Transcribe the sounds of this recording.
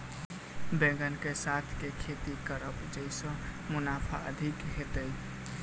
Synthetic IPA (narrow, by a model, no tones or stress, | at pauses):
bẽɡənkesat̪ʰkekʰet̪ikəɾəpd͡ʒəɪsə̃munapʰa̰ʔə̰d̪ʱikɦet̪əj